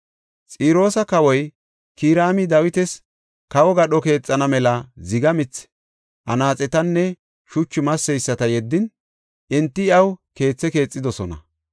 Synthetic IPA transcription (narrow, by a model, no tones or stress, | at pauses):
t͡sʼiːɾo̞ːsɐkɐwɔj | kiːɾaːmɪd̪ɐwɪt̪ɛs | kɐwɔɡɐɗɔke̞ːt͡sʼːɐnɐmɛlɐzɪɡɐmɪt͡s | ʔɐ̰naːt͡sʼɛt̪ɐnːɛ | ʃʊt͡ʃːɪmɐsːɛjsːɐt̪ɐjɛd̪ːɪn | ʔɪnt̪ːɪɪɐwke̞ːt͡sːɛke̞ːt͡sʼːɪd̪ɔsɔnɐ̰